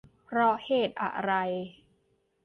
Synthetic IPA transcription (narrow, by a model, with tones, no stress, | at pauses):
pʰɾɔ˦˥heː˨˩t̪̚ʔa̰˨˩ɾa˧j